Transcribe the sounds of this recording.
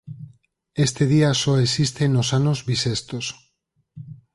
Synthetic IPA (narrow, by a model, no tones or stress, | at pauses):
est̪eð̞iasoesist̪enosanozβisest̪os